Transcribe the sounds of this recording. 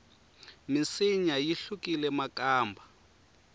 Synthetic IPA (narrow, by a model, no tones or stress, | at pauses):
misiɲajiɬukilɛmakʼaːmbʱa